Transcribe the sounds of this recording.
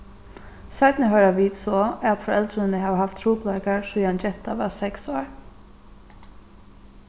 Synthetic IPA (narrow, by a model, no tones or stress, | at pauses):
saɪt̪nɪɦœʏɾaʋiːt̪sɔat̪fɔɾɛlt̪ɾɪnɪɦaːʋhaft̪ʰːɾuːplakaɹsujant͡ʃɛht̪aʋɑːsɛksoːɹ